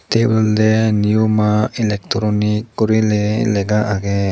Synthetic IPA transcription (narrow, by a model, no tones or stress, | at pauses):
t̪ebɛld̪ɛnijumailɛk̚tɔɾɔnikːɔɾilɛlɛɡaʔaɡɛ